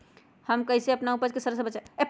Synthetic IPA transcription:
həmkəɦisẽəpnaupəd͡ʒkesəɾəsəbət͡ʃaep

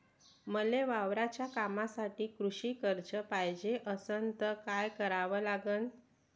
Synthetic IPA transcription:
məleʋaʋɾat͡ɕjakamasaʈiːkɾuɕiːkəɾt͡ɕəpajd͡ʑeʔəsənt̪əkajkəɾaʋəlaɡən

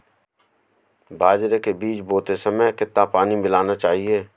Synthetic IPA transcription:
bʱaːd͡ʒɾekebiːt͡ʃboːt̪esəməjkɪt̪ːapaːnibɪlaːnat͡ʃaːɦieː

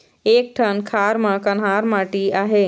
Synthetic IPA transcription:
eːk̚ʈʰənkʰaːɾmə̃kɐnɦaːɾmaːʈiaːɦeː

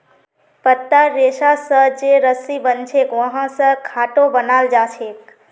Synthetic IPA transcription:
pət̪ːaɾeʃasət͡ʃeɾəsibənt͡ʃʰekʋəɦãsəɾkʰaʈobənald͡ʒãt͡ʃʰeːk

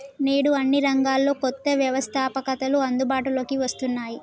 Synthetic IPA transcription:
neːɽuɐnːiɾɐŋɡaːlːo̞ːkɔt̪ːɐʋjɐʋɐst̪ʰaːpɐkɐt̪ɐluɐnd̪ubaːʈulo̞ːkiʋɐst̪unːaːji

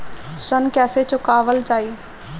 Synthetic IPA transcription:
ʃɾənkɛːset͡ʃʊkaːʋəld͡ʒaːiː

